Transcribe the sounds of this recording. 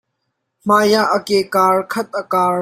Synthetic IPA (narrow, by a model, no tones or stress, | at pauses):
m̥aːjaʔəkɛkaːɹkʰɐt̪̚əkaː